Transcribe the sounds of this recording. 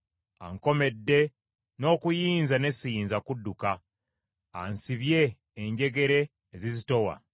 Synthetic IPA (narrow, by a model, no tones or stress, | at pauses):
a̰ŋko̞me̞dːe̞ | no̞ːkujiːnzane̞siiːnzakudːukaː | nsiβje̞ː | ɲɟe̞ɡe̞ɾe̞ː | zizito̞wa̰